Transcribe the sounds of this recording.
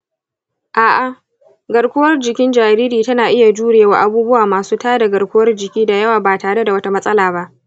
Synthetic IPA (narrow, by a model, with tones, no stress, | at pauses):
ʔaː˨ʔa˨ | ɡɐ˨ɽkʷʊ˦wɐ˦rd͡ʒɪ˨kʲɪ˦nd͡ʒaː˨ɾiː˦ɾiː˨tɐ˦naː˨ʔɪ˦ja˨d͡ʒuː˦ɽeː˨waː˨ʔa˦buː˦bʊ˦waː˨maː˨suː˦taː˦da˨ɡɐ˨ɽkʷʊ˦wɐ˦rd͡ʒɪ˨kʲiː˦da˨jɐ˦waː˨baː˨taː˨ɽe˦da˨wɐ˦ta˦mɐ˦sʼɐ˦laː˨ba˦ʔ